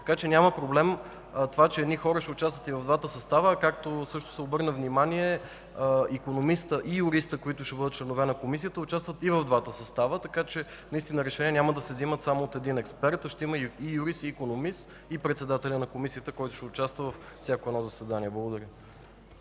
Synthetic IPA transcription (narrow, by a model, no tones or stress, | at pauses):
t̪ɐ̥kat͡ʃɛnʲaməpɾoblɛm | t̪ovat͡ʃɛɛd̪nixɔɾəʃɛʊt͡ʃast̪vət̪ivɐvd̪vat̪əsɐst̪avəkakt̪osɤʃt̪ʊ̥sɛobɤɾnəvnimaniɛ | ikonomist̪əʔijʊɾist̪əkoit̪ʊʃɛbɤd̪ət̪̚t͡ʃlɛnovɛnɐkomis̬ijət̪əʊt͡ʃast̪vət̪ivɐvd̪vat̪əsɐst̪avət̪ɐkat͡ʃɛ | nɐist̪inəɾɛʃɛnʲiɛnʲaməd̪ɐsɛzimət̪samoːt̪ɛd̪inɛkspɛɾt̪ʃt̪ɛiməijuɾist̪iːkonomist̪ | ipɾɛt̪sɛd̪at̪ɛlʲənɐkomisiət̪əkɔjt̪ʊ̥ʃɛʊt͡ʃast̪vəvɐffsʲjakoɛd̪nɔzɐsvɛd̪aniɛblˠɐɡod̪ɐɾʲə